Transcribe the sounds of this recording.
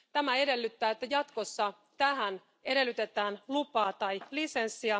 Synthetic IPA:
t̪æmæe̞de̞lːyt̪ːæːet̪ːæjɑt̪ko̞sːɑ | t̪æɦæn | e̞ɾe̞lːyt̪e̞t̪æːnlupɑːt̪ɑjlise̞nsːiæ

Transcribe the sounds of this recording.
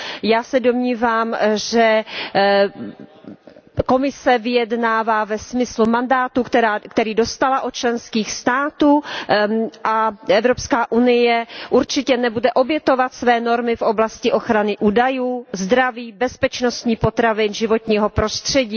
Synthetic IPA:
jaːsɛdo̞mɲiːvaːmʒɛ | ko̞mɪsɛvɪjɛdnaːvaːvɛsmɪslumandaːt̪ukt̪ɛɾaːkt̪ɛɾiːdo̞st̪alaʔot̪t͡ʃlɛnskiːxst̪aːt̪uː | ʔaʔɛvɾopskaːʔunɪjɛʔuɾt͡ʃɪcɛnɛbudɛʔo̞bjɛt̪o̞vat̪svɛːno̞ɾmɪfʔo̞blascɪʔo̞xɾanɪʔuːdajuːzd̪ɾaviːbɛspɛt͡ʃnost̪ɲiːpo̞t̪ɾavɪnʒɪvo̞t̪ɲiːɦo̞pɾo̞st̪r̝̥ɛɟiː

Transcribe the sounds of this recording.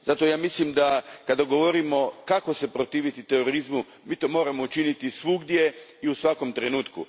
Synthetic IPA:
z̥at̪o̞jaːmislimd̪akad̪aɡo̞ʋo̞ɾimo̞kako̞se̞pɾot̪iːʋit̪it̪eɾo̞ɾizmu | miːt̪o̞ːmo̞ːɾamout͡ʃinit̪isʋuɡd̪je̞iusʋako̞mt̪ɾenuːt̪kṵ

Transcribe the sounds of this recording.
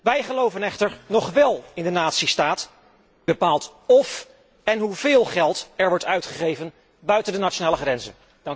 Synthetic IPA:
ʋɛjχəlowvənɛχtəɹnɔχʋɛlˠɪndənaːtsistaːt | b̥əpaːlˠtɔf | ɛnɦuvɪːlˠχɛlˠtɛɹʋɔɹtœɥtχəχejvən | bœɥtəndənat͡ʃonaːləχrɛnzə̰n | d̥ɑŋ

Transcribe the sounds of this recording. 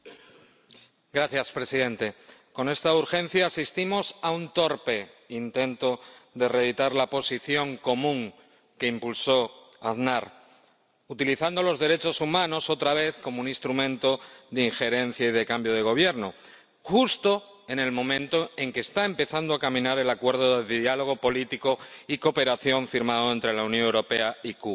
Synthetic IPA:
ɡɾaθjaspɾe̞siðe̞nt̪e̞ko̞ne̞st̪auɾxẽ̞n̟θjaːsist̪imo̞saunt̪o̞ɾpe̞int̪ẽ̞nt̪o̞ðere̞ð̞it̪aɾlapo̞siθjo̞ŋko̞mũŋ | ke̞impulso̞ | aðnaɾ | ut̪iliθand̪o̞lo̞zðe̞ɾe̞t͡ʃo̞sumãno̞so̞t̪ɾaβ̞e̞θko̞mounĩst̪ɾumẽ̞nt̪o̞ðeiŋxe̞ɾe̞n̟θjaið̞e̞kambjoð̞e̞ɣ̞o̞β̞je̞ɾno | xust̪o̞ | e̞ne̞lmõ̞mẽnt̪o̞e̞ŋkeːst̪aempe̞θand̪oakamĩnaɾe̞lakwe̞ɾðoðeðialo̞ɣ̞o̞po̞lit̪iko̞iko̞pe̞ɾaθjo̞ɱfiɾmað̞oe̞nt̪ɾe̞launjonŋewɾo̞pe̞aikuβ

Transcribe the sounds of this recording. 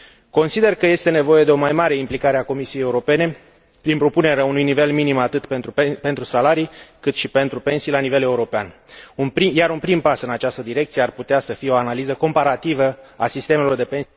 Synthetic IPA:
ko̞nsid̪e̞rkəje̞st̪e̞ne̞vo̞je̞d̪e̞o̞majmaɾe̞implikaɾeako̞misijejeuɾo̞pe̞ne̞ | pɾinpɾo̞pune̞ɾeaunujnive̞lminimat̪ɨt̪p̪ɾpe̞nt̪ɾusalaɾijkɨt̪ʃipe̞nt̪ɾupe̞nsijlanive̞le̞uɾo̞peanunpɾijaɾunpɾimpasɨnat͡ʃast̪əd̪iɾe̞k̚t̪sijearput̪easəfijeo̞analizəko̞mpaɾat̪ivəasist̪e̞melo̞rd̪e̞pe̞n

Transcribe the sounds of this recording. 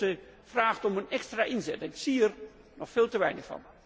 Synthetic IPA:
ə | v̥raːχtɔmənɛkstraːʔɪnzɛtɛnɪksiər | nɔχfeːlˠtəʋɛjnəχfɑ̰n

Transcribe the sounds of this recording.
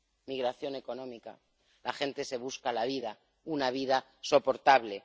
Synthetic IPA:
miɣɾaθjo̞ne̞ko̞nõ̞mika̰ | laxe̞nt̪e̞se̞β̞uskalaβiða | unaβ̞iða | so̞po̞ɾt̪aβle̞

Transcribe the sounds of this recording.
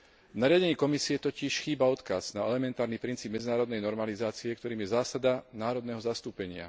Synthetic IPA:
vnaɾɪaɟɛɲiːkɔmisiɛt̪ɔciʃxiːbaɔt̪kaz̥naɛlɛmɛnt̪aːɾnipɾint͡siːb̚mɛd͡zinaːɾɔd̪nɛjnɔɾmalizaːt͡siɛkt̪ɔɾiːmjɛzaːsad̪anaːɾɔd̪nɛɦɔzast̪uːpɛɲɪa̰

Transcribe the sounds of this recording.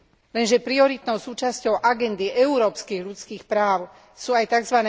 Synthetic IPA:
lɛnʒɛpɾiɔɾit̪nɔʊsuːt͡ʃascɔʊʔaɡɛnd̪iʔɛuɾɔːpskiːɣʎut͡skiːxpɾaːʊ | suajt̪aɡzʋanɛ

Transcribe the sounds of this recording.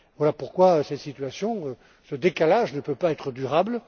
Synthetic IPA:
vwalapuʁkwaøsɛt̪sit̪ɥasjɔ̃ø | səd̪ekalaʒnəpøpaɛt̪χəd̪yʁabl

